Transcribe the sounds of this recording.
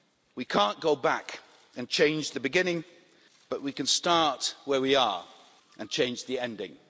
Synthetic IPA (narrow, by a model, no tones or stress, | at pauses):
wikʰɑ̃ˑnɡ̥oʊbæk | ɨ̃nt͡ʃʰẽɪ̃nd͡ʒðɨbɨɡɪ̃nɪ̃ŋ | b̥ʌʔwikɨ̃nstɑɹtwə˞wiə̰˞ | ʔɨ̃nt͡ʃʰẽɪ̃nd͡ʒðiɛ̃ndɪ̰̃ŋ